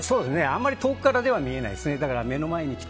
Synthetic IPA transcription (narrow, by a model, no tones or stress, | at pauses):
so̞ːd̪esneã̰mːaɾʲit̪o̞ːkɯ̟kːaɾad̪e̞β̞amʲie̞na̰ḭd̪esɨne̞d̪akaɾame̞no̞maeɲ̟ikʲi̥